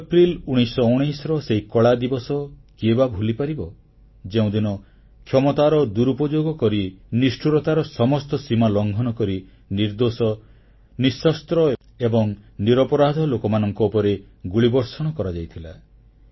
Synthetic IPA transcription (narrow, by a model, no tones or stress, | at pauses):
epɾiluɽ̃isɔuɽ̃ijsɔɾɔseɦikɔɭad̪ibɔsɔkiebabʱulipaɾibɔ | d͡ʒeũd̪inɔ | kʰjɔmɔt̪aɾɔd̪uɾupɔd͡ʒoɡɔkɔɾinisʈʰuɾɔt̪aɾɔsɔmɔst̪ɔsimalɔŋɡʱɔnɔkɔɾi | niɾd̪osɔ | nisɔst̪ɾɔe | ebɔŋniɾɔpɔɾad̪ʱɔlokɔmanɔŋkɔupɔɾe | ɡuɭibɔɾsɔɽ̃ɔkɔɾad͡ʒajt̪ʰila̰